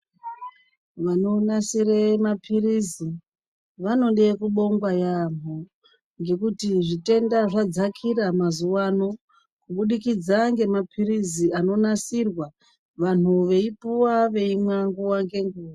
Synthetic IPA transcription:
ʋano̞nasiremapʰirizi | ʋano̞ɗe̞kuɓo̞ŋɡwajam̤o | ŋɡe̞kutiʐite̞ndaʐad͡zakʰiɾamazuwano̞ | kuɓuɗikid͡zaŋɡe̞mapʰiriziano̞nasirwa | ʋan̤uʋe̞ipuwaʋe̞imwaŋɡuwaŋɡe̞ŋɡuːwa

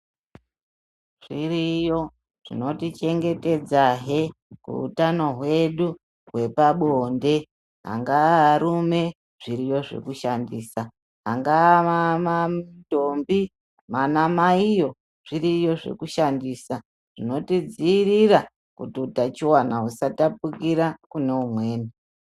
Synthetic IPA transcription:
ʐ̥irijo̞ | ʐ̥ḭno̞tit͡ʃe̞ŋɡe̞te̞d͡zaɦekṵṵtano̞ɦwe̞ɗu | ɦwe̞paɓoːnde̞ | ɦa̰ŋɡaaɾume̞ | ʐ̥iɾijo̞ʐe̞̰kuʃandiːsa | ɦaŋɡaamato̞mbi | manamaijo̞ | ʐ̥iɾijo̞ʐe̞̰kuʃandiːsa | ʐ̥ino̞tid͡ziːɾiɾa | kutiutat͡ʃiwanaɦusatapukiɾakune̞umwe̞ːni

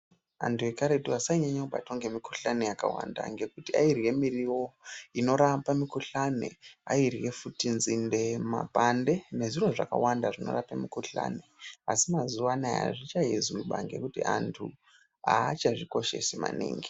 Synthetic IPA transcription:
a̰ntʰue̞kaɾetuasaiɲaɲakuba̰tʰoŋɡe̞mikuɬanejaka̰wa̰nda̰ŋɡe̞kutiairɣe̞miɾiwo̞ino̞ɾapamikuɬanḛa̰irɣe̞futinzinde̞ma̰pande̞ne̞ʐiro̞ʐa̰ka̰wandaʐino̞̰rapamikuɬa̰neasimazuwanaja̰ʐit͡ʃajezwiɓaŋɡe̞̰kutḭʔantʰu | aːt͡ʃaʐiko̞ʃe̞̰sima̰nḭːŋɡi

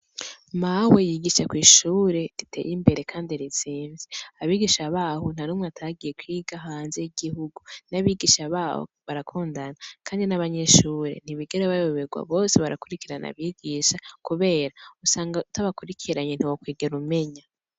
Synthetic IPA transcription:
mawe̞jiɡiʃakwiːʃuːɾe̞ditʰe̞̰jimbe̞ɾe̞kʰaːndiɾit͡siːnziaβiːɡiʃaβaːhon̥anumŋeataɡije̞kwiːɡaɦahaːnzeiɡihuɡunaβiɡiʃaβaːho̰βaɾakʰuːndanakʰaːndinaβaɲe̞ʃuːɾe̞̰n̥iβiɡeɾeβajoβeɡwa̰βo̞ːseβaɾakuɾikiɾana̰βiːɡiːʃakuβe̞ːɾausaːŋɡautaβakuɾikʰiɾaɲen̥hiwokwiːɡeɾume̞ɲa

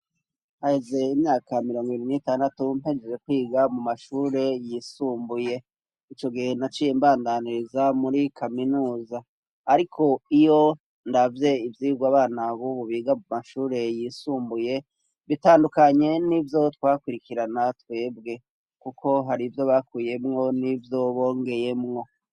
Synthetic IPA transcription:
hahe̞ze̞imɲaːkʰamiɾo̞ːŋɡiβiɾinitaːndatum̥he̞d͡ʒed͡ʒe̞kwiːɡamumaʃuːɾe̞jisuːmbuje̞ | it͡ʃo̞ɡihe̞nat͡ʃijembaːndaniɾizamuɾikʰaminuːzaː | ɾikʰo̞ijo̞ | ndavje̞ivjiːɡwaːβaːnaβuβuβiːɡamumaʃuːɾe̞jisuːmbuje̞ | βitaːndukaɲe̞nivjo̞twaːkwiɾikiɾanatwe̞ːbɡe̞ | kukʰo̞ɦaɾivjo̞βakuje̞mŋo̞nivjo̞βo̞ːŋɡe̞je̞mŋo̞

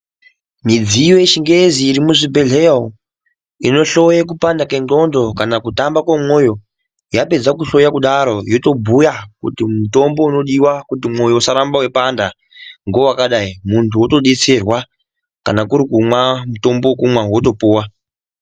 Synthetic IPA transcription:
mid͡zijojeʃiŋɡeziːɾimuʐibʱe̞ɮe | ino̞ɬo̞jak̬upandake̞ɡo̞ndo̞kanakutambakwamwo̞jo̞ | jape̞d͡zakuɬo̞jakuɗaɾo̞jo̞to̞bʱujakṵtimuto̞mbo̞uno̞ɗiwakutimo̞jo̞usaɾambawe̞panda | ŋɡo̞wakaɗaimuntʰuoto̞ɗet͡se̞rwa | kanakuɾikumwamuto̞mbo̞kumwawot̬o̞puːwa

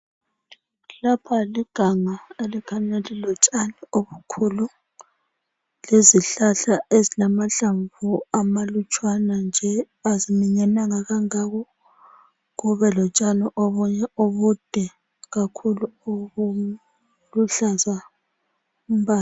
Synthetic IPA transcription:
lapʰaliɡ̥ʱaŋaelikʰaɲɛlilɔt͡ʃʼanioβukʰulu | leziɬaɬaʔezilamaɬaɱvuamalut͡ʃʼwanand͡ʒʱɛ | azimiɲanaŋaɣaŋaɣɔ | ɣuβɛlɔt͡ʃʼaniʔoβuɲɛoβud̥ʱɛ | ɣakʰuluuu | luɬaza | umbaːl

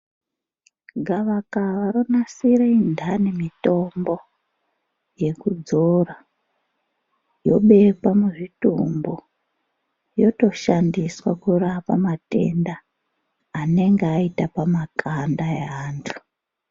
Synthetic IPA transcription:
ɡʱaʋakaʋaɾonasiɾeindʱanemito̞mbo̞ | je̞kud͡zora | jo̞ɓe̞pamwueʐitumbo | jo̞to̞ʃandiswakurapamate̞̰ndaː | ne̞ŋɡeaitapamakʰandaḛaːntʰu̥

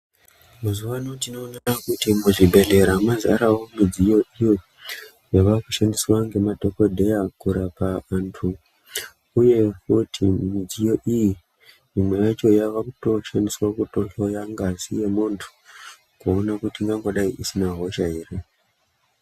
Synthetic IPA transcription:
muzuwanotino̞ːnakutimuʐibʱe̞ɮe̞ɾamaza̰ɾawomid͡zijo̞ʔijo̞ | jaʋakuʃandiswaŋɡe̞madʱo̞ko̞dʱe̞jakuɾapaːntʰu | uje̞kutʰimid͡zijo̞ʔiji | mimwejat͡ʃo̞jaʋakuto̞ʃandiswakutoɬojaŋɡazijemuntʰu̥ | kuonakutiŋɡaŋɡoɗaiʔisinaɦo̞ʃaɦere

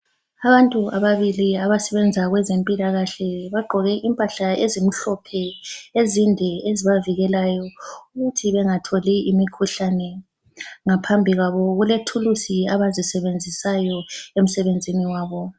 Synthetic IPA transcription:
aβantʼuaβaβiliaβasɛβɛnd͡zʱaɣwɛzempʼilaɣaɬɛβaɡ͡ǃʱɔɣɛʔimpʼaɬaʔezim̩ɬɔpʰɛezindʱɛeziβaviɣɛlajɔuɣutʰiβɛŋatʰoliimikʰuɬanɛ | ŋapʰambʱiɣaβɔɣuletʰulusiaβazisɛβend͡zʱisajɔem̩sɛβend͡zʱiniwaːβɔ

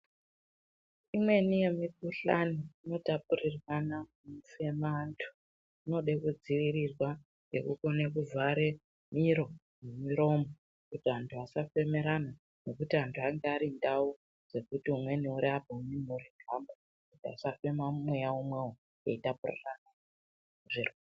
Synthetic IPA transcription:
imwe̞nije̞mikuɬa̰niino̞tap̚urirwana | mufe̞mantʰu̥ | ino̞ɗekud͡ziʋirirwa | ŋɡe̞̰kṵko̞ne̞kuvaɾe̞ | miɾo̞ | mumiɾo̞ːmo | kutiantʰuasafe̞me̞ɾana | ne̞kutiantʰuaŋɡeaɾindau | ʐ̥e̞kutiumwe̞niuɾiabʱauminuɾiɡʱambo | kutia̰safe̞mamwejaumweo | eitapurḭrana | ʐirwa

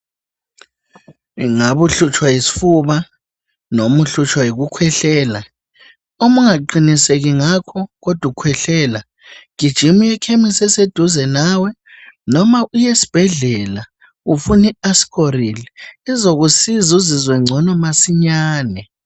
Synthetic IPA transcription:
ŋaβuɬut͡ʃʰʼwajisi̥fuβa | nomuɬut͡ʃʰwajiɣukʰwɛɬɛːla | omuŋaǃiniseɣiŋakʰɔɣɔd̥ʱukʰwɛɬɛːla | ɡ̥ʱid̥ʒ̥ʱimujɛkʰemisɛsed̥ʱuzɛnaːwɛ | nɔmaʔujesi̥b̥ʱɛɮɛla | ufuniasi̥kʰoɾiliːzoɣusizuzizwɛŋ͡ǀʱɔnɔmasiɲaːnɛ

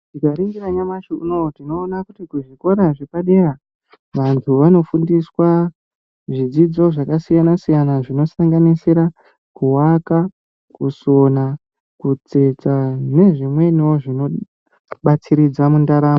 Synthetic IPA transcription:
tikaɾiŋɡiɾaɲamaʃuuno̞tino̞ːnakutikuʐiko̞ɾaʐepaɗe̞ra | ʋantʰuʋano̞fundiswa | ʐid͡zid͡zo̞ʐakasijanasijanaʐino̞saŋɡanisiɾa | kuwaka | kuso̞na | kut͡se̞t͡sane̞ʐimwe̞niwo̞ʐino̞ | ɓat͡siɾid͡zamundaɾaːmo

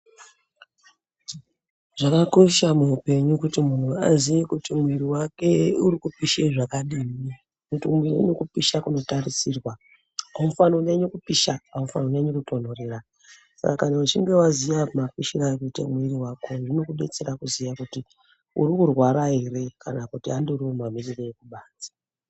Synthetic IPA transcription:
ʐ̥akako̞ʃamuupe̞ɲukutimun̤uazijikutimwiɾiwake̞uɾikupiʃeʐakaɗiːmi | kutimwirḛɲokupiʃakuno̞tarisirwa | aufanoneɲokupiʃaaufanoneɲokuto̞n̤orera | sa̰kakanaut͡ʃiŋɡe̞wazijamafiʃirakutḛmwiriwako̞ʐino̞kuɓe̞̰t͡seɾakuzijakuti | ṵɾikurwaɾaire̞kʰa̰nakutiandoriomamiriroekuɓaːt͡sḁ

